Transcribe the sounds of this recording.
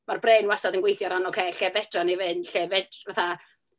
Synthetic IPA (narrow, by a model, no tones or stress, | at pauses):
marbreːnwasadənɡwejθjɔɾanɔkʰeːɬɛvɛtranivɨnɬɛvɛdvaθa